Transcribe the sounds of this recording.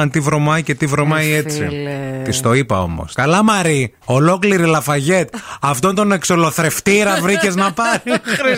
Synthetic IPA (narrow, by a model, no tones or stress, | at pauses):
ɐnt̪ivɾo̞mɐice̞t̪ivɾo̞mɐie̞t͡sḭt̪ist̪o̞ipɐo̞̰mo̞̰skɐlɐmɐɾi | o̞lo̞kliɾilɐfɐʝe̞t̪̚ɐft̪o̞nt̪o̞ne̞ksolo̞θɾe̞ft̪iɾɐvɾice̞znɐpɐɾ